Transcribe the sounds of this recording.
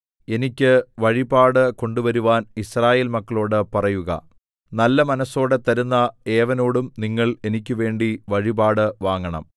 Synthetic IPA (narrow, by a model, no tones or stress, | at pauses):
e̞nikʲːɨʋɐɻibaːɽɨko̞ɳɖuʋɐɾuʋaːnisraːjeːlmɐkːɐɭo̞ːɽɨpɐrɐjuɣɐ̰ | nɐlːɐmɐnɐso̞ːɽe̞t̪ɐɾunːɐe̞ːʋɐno̞ːɽumniŋːɐɭe̞nikʲːɨʋe̞ːɳɖiʋɐɻibaːɽɨʋaːŋːɐɳɐ̰m